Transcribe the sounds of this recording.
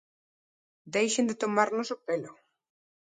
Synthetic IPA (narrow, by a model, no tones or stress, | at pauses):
d̪ejʃẽnd̪et̪omaɾnosopelʊ